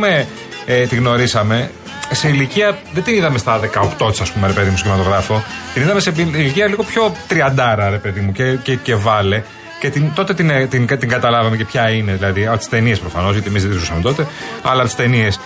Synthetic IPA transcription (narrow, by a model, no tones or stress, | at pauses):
ume | et̪iɣno̞ɾisɐme̞ | se̞iliciɐðed̪iniðɐme̞st̪ɐðe̞kɐoxt̪o̞t̪i̥sɐspume̞ɾe̞pe̞ðimusçimɐt̪o̞ɣɾɐfo̞t̪iniðɐme̞sepiiliciɐliɣo̞pço̞t̪ɾiɐnd̪ɐɾɐɾe̞pe̞ðimucecece̞vɐle̞ | cet̪int̪o̞t̪et̪int̪inɐt̪iŋɡɐt̪ɐlɐvɐme̞ce̞pçɐine̞ðilɐðiɐpot̪i̥st̪e̞niespɾofɐno̞zʝɐt̪ie̞mizðt̪zusɐme̞t̪o̞t̪e̞ɐ̰lɐpt̪i̥st̪e̞nie̞s